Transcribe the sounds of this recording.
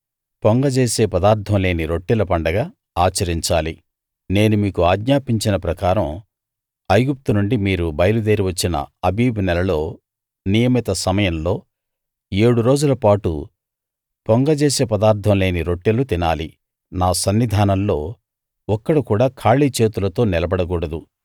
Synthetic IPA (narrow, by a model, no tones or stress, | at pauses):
poŋɡɐt͡ʃeːse̞ːpɐd̪aːɾt̪ʰːɐmle̞ːniɾo̞ʈːilɐpɐɳɖɐɡaː | aːt͡ʃɐɾiɲt͡ʃaːli | ne̞ːnumiːkuaːɡɲaːpiɲt͡ʃinɐpɾɐkaːɾɐm | ɐjɡup̚t̪unuɳɖimiːɾubɐjɐlud̪eːɾiʋɐt͡ʃːinɐ̰ɐbiːbunɛlɐlo̞ː | nijɐmit̪ɐsɐmɐjɐmlo̞ː | eːɽuɾo̞ːd͡ʒulɐpaːʈṵ | pɔŋɡɐt͡ʃeːseːpɐd̪aːɾt̪ʰːɐmle̞ːniɾo̞ʈːilut̪inaːli | naːsɐnːid̪ʱaːnɐmlo̞ː | ɔkːɐɽukuːɽaːkʰaːɭiːt͡ʃe̞ːt̪ulɐt̪o̞ːnɛlɐbɐɽɐk̬uːɽɐd̪u